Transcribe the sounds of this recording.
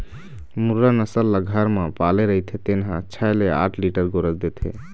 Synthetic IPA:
muɾːanəsəlːaɡʱəɾmepaleɾəɦjt̪ʰet̪enɦãt͡ʃʰajlea̰ʈʰliʈəɾɡoɾəsd̪et̪ʰɦḛ

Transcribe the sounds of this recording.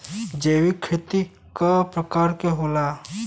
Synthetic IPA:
d͡ʒeːwikʰːeːt̪i | kapɾəkaːɾkeɦoːla

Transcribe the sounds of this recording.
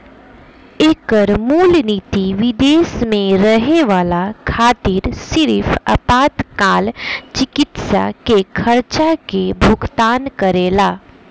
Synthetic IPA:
eːkəɾmuːlniːt̪iʋɪd̪eːsmẽɾəɦeʋaːlakʰaːt̪ɪɾsɪɾfʰɐ̰paːt̪kaːlt͡ʃɪkɪt̪sa̰kekʰɐɾt͡ʃakebʱʊɡt̪aːnkəɾeːlaː

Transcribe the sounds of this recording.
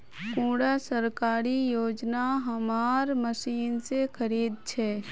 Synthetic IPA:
kũːɽasəɾkaːɾijoːd͡ʒnaɦɐmaːɾməsiːnsekʰəɾiːd̪̚t͡ʃʰɛː

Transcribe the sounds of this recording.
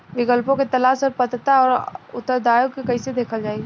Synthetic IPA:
ʋɪkəlpõket̪ɐlaːsɔːɾpət̪t̪aɔːɾʊt̪ːəɾd̪aːjokːekɐised̪eːkʰəld͡ʒaːi

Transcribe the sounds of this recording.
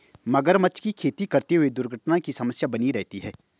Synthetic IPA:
mɐɡəɾmɐt͡ʃkikʰeːt̪ikɐɾt̪eɦʊed̪ʊɾɡʱəʈnakisɐməsjabɐniɾɛɦt̪iɦɛː

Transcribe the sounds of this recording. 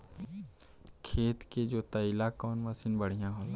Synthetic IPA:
kʰeːt̪ked͡ʒoːt̪ɐɪlakɔːnməsinbəɽ̤ijãɦoːla

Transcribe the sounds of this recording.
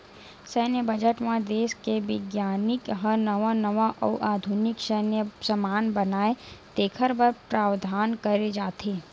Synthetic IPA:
sɛːnjəbɐd͡ʒəʈmãd̪eːskeʋɪɡjaːnɪkɦɐnɐʋanɐʋaʔɔːʔaːd̪ʱunɪkʃənjəsɐmaːnbɐnaːet̪eːkʰəɾbəɾpɾaːʋd̪ʱaːnkɐɾed͡ʒaːt̪ʰeː

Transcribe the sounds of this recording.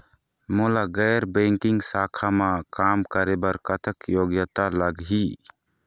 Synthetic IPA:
mɔlaɡɛjɾbɛŋkiŋsakʰamakamkəɾɛbaɾkat̪ʰəkjɔɡjat̪alaɡɦi

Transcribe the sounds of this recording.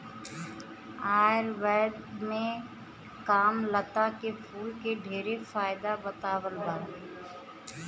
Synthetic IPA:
aːɾʋɛːd̪mẽ | kaːmlət̪akepʰuːlkeɖʱeːɾefaːɪd̪abət̪aːwəlbaː

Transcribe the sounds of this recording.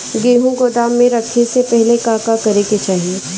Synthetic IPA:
ɡeːɦũɡoːd̪aːmːẽɾɐkʰːesepɛɦlekaːkakɐɾeket͡ʃaːɦieː

